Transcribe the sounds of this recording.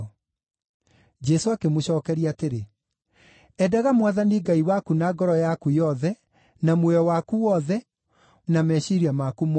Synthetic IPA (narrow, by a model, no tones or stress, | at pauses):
d͡ʒɛsoakemoɕɔːkɛɾiateɾe | ɛdaɣamwaðaniɡaiwakunaɡɔɾɔjakujɔðɛ | namwɛɔwakuwɔðɛ | namɛɕiɾiamakum